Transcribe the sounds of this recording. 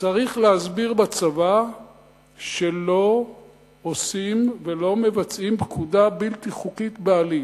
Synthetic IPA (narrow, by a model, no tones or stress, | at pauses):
t͡saʁiχleazbiʁbat͡sava | ʃe̞lo̞ | osimve̞lo̞me̞vat͡simbkʰud̪abilt̪iχukit̪beali